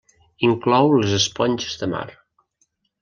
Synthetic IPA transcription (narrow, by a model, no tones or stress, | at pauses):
iŋklɔwləzəspɔnʲt͡ʃəzðəma̰r